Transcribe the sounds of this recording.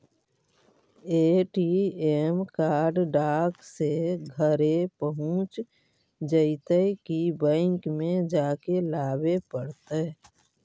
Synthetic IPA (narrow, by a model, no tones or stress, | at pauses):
eːʈiemkaːɾɖɖaːkseɡʱəɾepəɦʊ̃t͡ʃ | d͡ʒəɪt̪əkibə̃ɪŋkmẽd͡ʒaːkelaːbepəɽt̪ə